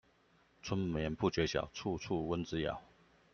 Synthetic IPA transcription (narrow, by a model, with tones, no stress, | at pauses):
t͡sʰwə˥nmjɛ˧˥npu˥˩t͡ɕɥɛ˧˥ɕjɑ̰˨˩ʊt͡sʰu˥˧t͡sʰu˥˩wə˦nt͡sɹ̩˥jɑ̰˨˩˦ʊ